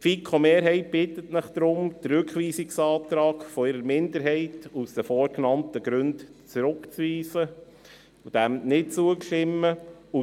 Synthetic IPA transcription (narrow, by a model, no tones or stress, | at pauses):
fikʰomeːɾɦɛɪt̚b̥ɪtətnɪχd̥̪ɾʊmd̥̪rʉkχʋiːsiksɑːtɾɑːkfɔɪɾəɾmɪndəɾɦɛɪtusd̥əfɔːɾknɑntəɡ̥ɾɵntt͡sɾʊkt͡sʋiːsə | ud̥æmnɪt̚t͡suəkʃɪmːəu